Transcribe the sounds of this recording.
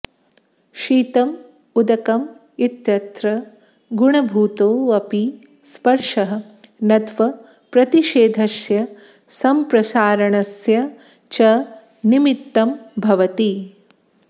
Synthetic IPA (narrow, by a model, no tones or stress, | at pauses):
ʃiːt̪ɐm | ud̪ɐkɐm | it̪jɐt̪ɾɐ | ɡuɳɐbʱuːt̪oːɐpi | spɐɾʂɐɦɐ̆ | nɐt̪ʋɐ | pɾɐt̪iʃeːd̪ʱɐsjɐ | sɐmpɾɐsaːɾɐɳɐsjɐ | t͡ʃɐ | nimit̪ːɐmbʱɐʋɐt̪i